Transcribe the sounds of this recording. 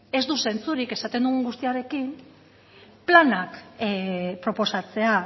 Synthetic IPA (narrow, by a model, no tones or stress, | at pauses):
e̞zd̪use̞nt͡suɾike̞sat̪e̞nd̪uɣŋɡust̪iaɾe̞kin | planak | pɾo̞po̞sat͡se̞a